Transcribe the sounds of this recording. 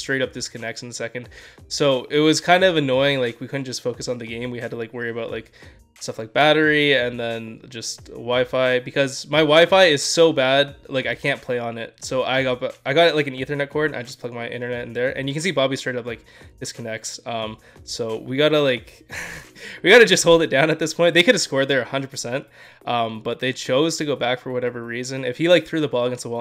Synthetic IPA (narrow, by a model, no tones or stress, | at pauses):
stɹ̥eɪɾʌp̚ðɪskʰɨnɛk̚sn̩ðəsɛkɨ̃nd̥soʊʔɪt̚wʌz̥kʰãɪ̃ndʌvɨnɔɪɪ̃ŋlaɪkwikʰʊdⁿn̩d̥ʒʌstfoʊkɨsn̩ðɨɡẽɪ̃mwiɦɨd̚tʰəlaɪkwɜ˞iɨbaʊʔlaɪk | stʌflaɪk̚b̥æɾə˞iɨ̃nðɨ̃nd͡ʒʌstwaɪfaɪbɨkʰʌzmaɪwaɪfaɪɪz̥soʊbæd̚laɪkaɪkʰæ̃npʰl̥eɪə̃nɪt̚soʊʔaɪɡɑtbʔaɪɡɑɾɨt̚laɪkɨ̃n̩iθə˞nɛt̚kʰɔɹdnʔa̰ɪd͡ʒʌspʰʌɡ̚maɪʔɪ̰̃ɾ̃ə˞nɛɾ̃n̩ðə˞ʔɨ̰̃njɨkɨ̃n̩sibɑbistɹ̥eɪɾʌp̚laɪk̚ | ðɪz̥kʰɨnɛksʌ̃m | soʊwiɡɑɾəlaɪk | wiɡɑɾɨd͡ʒʌst̚hoʊlˠdɨt̚d̥ãʊ̃nɨt̪̚ðɪspʰɔ̃ɪ̃n̚ðeɪkɨɾɨskɔɹd̪̚ðə˞ɨhʌ̃ndɹəd̚pʰə˞sɛ̃nt̚ | ʔʌ̃mb̥ʌt̪̚ðeɪt͡ʃʰoʊz̥tʰɨɡoʊbækfə˞wʌɾɛvə˞ɹizɨ̃nɪfhilaɪk̚θɹʉðəbɑlˠɡɨ̃nsowɛ